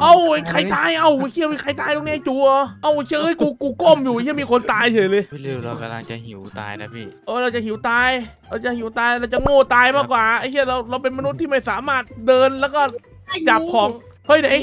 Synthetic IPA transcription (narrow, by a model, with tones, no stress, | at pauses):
ʔa˧˩wkʰa˧˩jt̪aː˧jʔa˧˩wkʰi˧˩˨wi˧˩kʰa˧˩jt̪aː˧˩jt̪o˧ŋni˦˥˧jt͡ɕuː˧˦oː˧˦ʔa˧˩wkʰi˧˨hːjkuː˧kuː˧ko˥˩mjuː˨˩i˥˩˨miː˧kʰo˧nt̪aː˧jt͡ɕʰɤː˨˩lɤː˧ja˧a˨hi˨˦t̪a̰ː˧jʰʔɤː˧˩ɾa˧wt͡ɕa˨˩hi˨˩˦wt̪aː˧j | ɾa˧wt͡ɕa˨hi˨˩˦wt̪aː˧jɾa˧wt͡ɕa˨ŋoː˥˩t̪aː˧jmaː˥˩kwaː˨˩ʔa˧˩jʰi˥˩ɾa˧wɾa˧wpe˧nma˧nu˦˥t̪ʰːiː˥˩ma˥˩jsaː˨˩˦maː˥˩t̪̚dɤː˧nlɛː˦˥wkɔː˥˩ | a˥˩ja˨˩p̚kʰɔː˨˦ŋhʰɤ˧˥˩jna˨˦j